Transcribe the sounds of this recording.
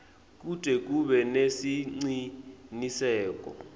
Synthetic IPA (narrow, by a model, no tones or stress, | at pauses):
k̬ʼutʼɛk̬ʼuɓɛnesiŋ͡ǀinisɛːk̬ʼɔ̰